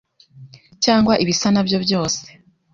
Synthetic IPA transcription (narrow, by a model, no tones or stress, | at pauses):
caːŋɡwaʔiβisanabjo̞bjo̞ːse̥